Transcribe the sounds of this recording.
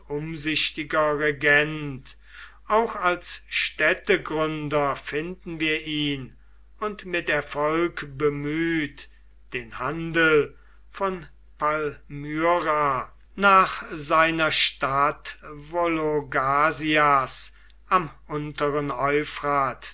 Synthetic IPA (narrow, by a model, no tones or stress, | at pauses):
ʊmzɪʃtɪɡɐʁɛɡɛnt | ʔaʊxalsʃtɛtəɡʁʏndɐfɪndn̩viːɐʔiːn | ʊntmɪtɛɐfɔlkbəmyːt | d̥eːnhandəl̩ | fɔn | palmyʁa | naːχzaɪnɐʃtatvoloɡaːzias | ʔamʔʊntəʁənɔʏfʁaːt